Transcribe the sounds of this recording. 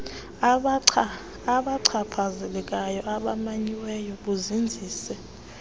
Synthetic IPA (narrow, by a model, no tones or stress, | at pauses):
aɓaǀʰaǀʰazɛlɛkʼajɔaɓamaɲiwɛjɔɓuzind͡zʱiːsɛ